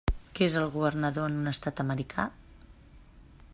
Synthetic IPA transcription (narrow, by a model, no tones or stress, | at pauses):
kezəlˠɣuβərnəðoənunəst̪at̪əməɾikʰa̰